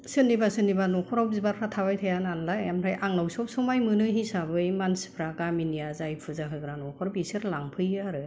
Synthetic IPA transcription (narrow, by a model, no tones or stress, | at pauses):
sɯnːibasɯnibanɔkʰɔɾɔwp̚zibaɾpʰɾatʰaβajtʰajananlajjamɾajʔaŋnawsɔp̚sɔmajmɯnɯɦisabɯjmanspʰɾaɡaminijazajpʰɯzaɦɯɡɯɾanɔkʰɔɾɔpisɯɾlaŋpʰɯjaɾɯ